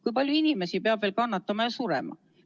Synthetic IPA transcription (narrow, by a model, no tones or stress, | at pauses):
kujpɑljuinime̞sipeɑb̥veːlkɑnːɑt̪ːˑɑmɑjɑsuɾḛmɑ̰